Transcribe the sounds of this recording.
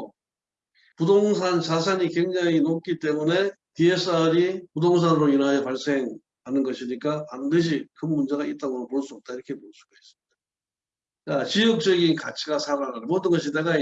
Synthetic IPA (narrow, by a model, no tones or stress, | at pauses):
pudoŋsʰant͡ɕas̬ʰaɲikwe̞ŋd͡ʑaŋinok̚k͈it͈e̞mune̞ | tie̞s͈ʰaɾipudoŋs̬ʰanɯɾoinajʌpaɭs͈e̞ŋ | hanɯnɡʌɕʰiɲik͈apandɯɕ̬ʰikɯnmund͡ʑe̞ɡait̚t͈aɡoɾopoɭs͈uʌp̚t͈aiɾʌkʰe̞pos͈uɡ̥ais͈ɯ̥mɲid̥a | k͈at͡ɕijʌk̚t͡ɕ͈ʌɡinkat͡ɕʰiɡasʰaɾanamʌdɯnɡʌɕʰidaɡa